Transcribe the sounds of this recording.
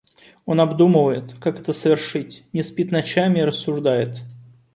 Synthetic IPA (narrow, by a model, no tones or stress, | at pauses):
o̞nɐbd̪uməvəjɪt̪kakɛt̪əsəvʲɪrʂɨtʲnʲɪspʲit̪nɐt͡ɕamʲɪːɾəsːʊʐd̪ajɪt̪